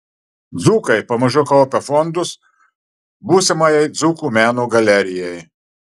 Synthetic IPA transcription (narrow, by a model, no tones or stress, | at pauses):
d̪zuːkɐɪpɐmɐʒʲʊkɐlˠpʲɛfɔnd̪ʊs | buːsʲɪmɐjɛɪd̪zuːkuːmʲæːnoːɡɐlʲɛɾʲɪjɛj